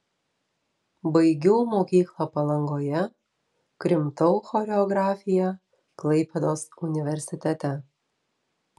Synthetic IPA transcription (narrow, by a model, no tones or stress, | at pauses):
bɐɪɡʲuːmoːkʲiːklˠɐpɐlˠɐŋɡoːjɛ | kɾʲɪmt̪ɔʊxɔːɾʲɛɔɡɾɑːfʲɪjɛ | klˠɐɪpʲɛd̪oːsʊnʲɪʋʲɛɾʲsʲɪt̪ʲɛt̪ʲɛ